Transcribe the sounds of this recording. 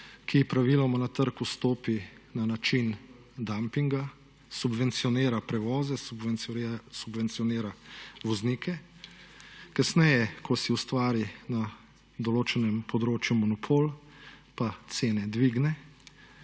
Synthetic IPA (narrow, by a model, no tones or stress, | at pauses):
kʰipɾaʋilɔmanat̪əɾkust̪oːpinanat͡ʃin | d̪ampiŋɡa | subʋɛnt̪sijɔneːɾapɾɛʋɔːzɛ | subʋɛnt̪sijɔneːɾaʋɔznikʰɛ | kasnɛjɛkʰɔsiust̪ʋaːɾina | d̪ɔloːt͡ʃɛnɛmpʰɔd̪ɾoːt͡ʃjumɔnɔpʰoːlpat̪seːnɛd̪ʋiɡnɛ